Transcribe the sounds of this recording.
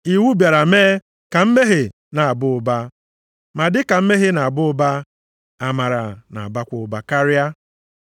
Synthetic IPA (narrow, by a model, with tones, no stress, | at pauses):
i˨wu˦bja˨ɾa˨me˦ | ka˨m̩˦me˦ɦɪ˨ | na˨a˨bʊ˦ʊ˨ba˦ | ma˨dɪ˦ka˨m̩˦me˦ɦɪ˦na˨a˨bʊ˦ʊ˦ba˦ | a˨ma˨ɾa˨na̰˨a˨ba˦kʷʊ˨ʊ˨ba˨ka˦ɾja˦